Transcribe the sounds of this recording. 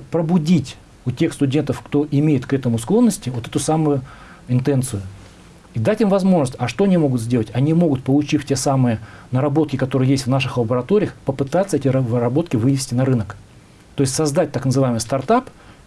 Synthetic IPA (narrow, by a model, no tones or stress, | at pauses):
pɾəbʊdʲitʲ | ʊtʲe̞xst̪ʊdʲe̞nt̪əfkt̪o̞ʔɪmʲejɪt̪kɛt̪əmʊsklˠo̞nːəsʲtʲɪvo̞t̪ɛt̪ʊsamʊjʊ | ɪnt̪ɛnt̪sɨjʊ | id̪atʲimvɐzmo̞ʐnəsʲtʲɐʂt̪oɐnʲimo̞ɡʊt̪zʲdʲelˠətʲɐnʲimo̞ɡʊt̪̚pəlˠʊt͡ɕifʲtʲe̞samɨjənəɾɐbo̞t̪̚kʲɪkɐt̪o̞ɾɨjəjesʲtʲvnaʂɨxlˠəbəɾɐt̪o̞ɾʲɪjəxpəpɨt̪at̪səɛtʲɪɾvɨɾɐbo̞t̪kʲɪvɨnʲɪsʲtʲɪnɐɾɨnək | t̪o̞jɪsʲsɐzd̪at̚ʲt̪aknəzɨvaɪmɨjst̪ɐrt̪ap